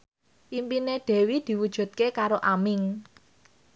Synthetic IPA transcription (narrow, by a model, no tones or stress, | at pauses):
ʔimpineɖ̪̥ɛ̤wid̪̥i̤wud̥ʒ̥ṳt̪̚kekaɾoʔamɪŋ